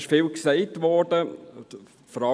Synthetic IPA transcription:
ʃfiːlksɛɪtʋɔdə | fɔɾɑ

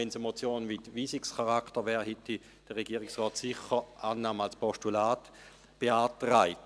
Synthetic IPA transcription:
ɛnsemot͡sjoːnvitʋiːsikskaʁaktəʋɛːʁhɛti | d̥əʁːeɡiːɪksʁɔːtsɪχəʔaːnːaːmalspoʃtulaːt | b̥eaːtʁaɪt

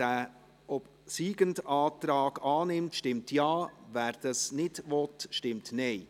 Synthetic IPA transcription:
æ | ɔp | siːɡəndɑːtɾɑːɡ̥ɑːnɪmtʃtɪmtjɑːvæːɾd̥ɑsnɪdʋɔtʃtɪmtnɛɪ

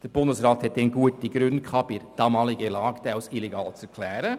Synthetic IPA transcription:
d̥əɾb̥ʊndəsɾɑːthɛt̚dɛnɡuətiɡɾʉnkʰɑːb̥ɪɾd̥ɑmɑːlɪɡəlɑːɡ̥d̥̪aʊsileɡɑːlt͡sɛkʰlɛːɾə

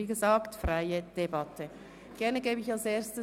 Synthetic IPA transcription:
iːɡəzaːktfʁaɪəd̥ebɑtʰə | ɡ̥ɛɐnəɡeːbəɪçalseːɐstə

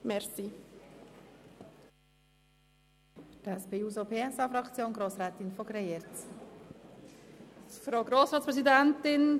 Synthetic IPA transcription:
mɛɾsi | d̥ɛspeuːzopʰeːɛsɑːfɾɑkt͡sjoːnɡɾoːsɾɛːt̪ɪnfoɡɾeeɾt͡s | fɾaʊɡɾoːsɾɑːtspɾɛzidɛntɪn

